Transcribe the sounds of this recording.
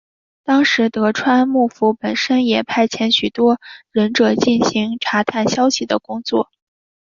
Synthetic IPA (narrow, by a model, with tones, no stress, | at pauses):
t̪ɑ˥ŋʂɻ̩˧˥t̪ɤ˧˥ʈ͡ʂʰwa˥nmu˥˩fu˧˥pə˨˩nʂə˥njɛ˨˩pʰa˥˩ɪt͡ɕʰjɛ˧˥nɕy˨˩t̪wɔ˥ɻə˧˥nʈ͡ʂɤ˨˩t͡ɕi˥˩nɕi˧˥ŋʈ͡ʂʰa˧˥t̪ʰa˥˩nɕjɑ˥ʊɕi˨˩d̪ə̰˩kʊ˥ŋt͡swɔ̰˥˩